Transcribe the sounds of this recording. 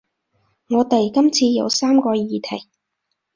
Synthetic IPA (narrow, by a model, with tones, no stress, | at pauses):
ŋɔː˨˧t̪ɐ˨jkɐ˥mt͡sʰiː˧jɐ̰˨˧wsaː˥mkɔː˧jiː˨˧t̪ʰɐ˨˩j